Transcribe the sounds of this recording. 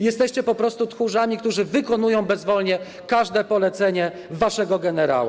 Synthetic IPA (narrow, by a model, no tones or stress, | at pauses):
jɛst̪ɛɕt͡ɕɛpɔpɾɔst̪ut̪xuʐamʲikt̪uʐɘvɘkɔn̪ujɔ̃w̃bɛzvɔlɲɛ | kaʐd̪ɛpɔlɛt̪sɛɲɛ | vaʂɛɡɔɡɛnɛɾa̰wu